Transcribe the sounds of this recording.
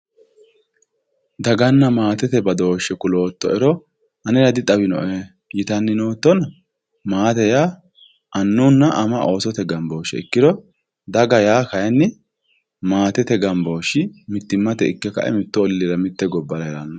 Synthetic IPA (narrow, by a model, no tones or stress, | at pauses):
d̪ɐɡɐnːɐmaːt̪ɛt̪ɛbɐd̪o̞ːʃːɛkʊlo̞ːt̪ːɔɛɾɔ | ɐnɛɾɐd̪ɪt̪ʼɐbɪnɔ̰ʔɛ | jɪt̪ɐnːɪnoːt̪ːɔn | maːt̪ɛja | ʔɐnːuːnːɐʔɐmɐʔoːsɔt̪ɛɡɐmbo̞ːʃɛ̰ɪ̰kːɪd̪ɔ | d̪ɐɡɐjaːkɐjɛnːɪ | maːt̪ɛt̪ɛɡɐmbo̞ːʃɪmɪt̪ːɪmːɐt̪ɛɪkːɛkɐ̰ʔɛ̰mɪt̪ːɔːlːiɾɐmɪt̪ːɛɡɔbːɐɾɐɛɾɐnːɔ